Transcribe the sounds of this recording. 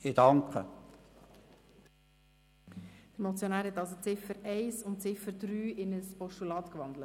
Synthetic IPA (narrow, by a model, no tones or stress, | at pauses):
id̥ɑŋkʰə̰ | d̥əɾmɔt͡sjonæːɾhɛt̪ɑls̬ot͡sɪfəɾɛɪsʊntt͡sɪfəɾd̪ɾyːʔɪnəspɔʃtulɑːt̪kʋɑnd̪lət